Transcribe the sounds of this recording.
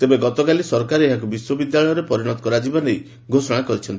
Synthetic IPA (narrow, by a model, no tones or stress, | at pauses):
t̪ebeɡɔt̪ɔkalisɔɾkaɾeɦak̬ubiswɔbid̪jaɭɔjɔɾepɔɾiɽ̃ɔt̪ɔ̥kɔɾad͡ʒibanej | ɡʱosɔɽ̃akɔɾit͡ʃʰɔnt̪i̥